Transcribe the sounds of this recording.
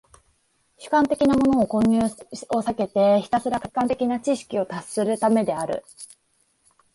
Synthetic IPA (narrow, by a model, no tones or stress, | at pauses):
ɕɨ̥kãnt̪e̞kʲinamo̞no̞ːkõ̞ɲ̟ːɨːo̞sake̞t̪e̞çi̥t̪asɨɾakḁkːãnt̪e̞kʲinat͡ɕiɕi̥kʲio̞t̪asɨɾɯ̟t̪ame̞d̪e̞aɾɯ̟̰